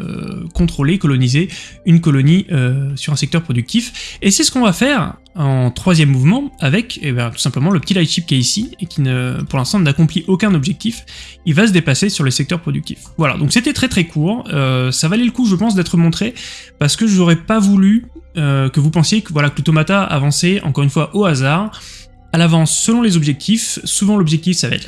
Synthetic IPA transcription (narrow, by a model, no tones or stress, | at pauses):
ø̰kɔ̃t̪χolekɔlɔnizeynkɔlɔniøsyʁɛ̃sɛk̚t̪œʁpχɔd̪yk̚t̪ifesɛsə̥kɔ̃vafɛʁ | ɑ̃t̪χwazjɛmːuvmɑ̃avɛkebɛ̃t̪u̥sɛ̃pləmɑ̃ləpət̪ilajʃip̚kʲiɛisiekʲinəpuʁlɛ̃st̪ɑ̃nakɔ̃pliʔokʲɛ̃nɔbʒɛk̚t̪if | ilvasəd̪epasesyʁləsɛk̚t̪œʁpχɔd̪yk̚t̪ḭfvwala̰d̪ɔ̃kset̪ɛt̪χɛt̪χɛkʰuːʁøsavaleləkuʒəpɑ̃s̬d̪ɛt̪χəmɔ̃t̪χepaʁsə̥kəʒɔʁɛpavulyøkəvupɑ̃sjekəvwalakələt̪ɔmat̪a̰ːvɑ̃sɛɑ̰̃kɔʁynfwaʔoazaʁ | alavɑ̃sːəlɔ̃lezɔbʒɛk̚t̪ʰifsuvɑ̃lɔbʒɛk̚t̪ifsavaɛ̰t̪l